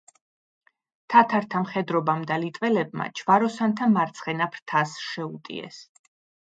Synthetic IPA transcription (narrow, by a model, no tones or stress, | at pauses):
t̪ʰat̪ʰaɾt̪ʰamχɛd̪ɾɔbamd̪alit̪ʼvɛlɛb̚ma̰t͡ʃʰvaɾɔsant̪ʰamaɾt̪sʰχɛnapʰɾt̪ʰasʃɛut̪ʼḭɛ̰s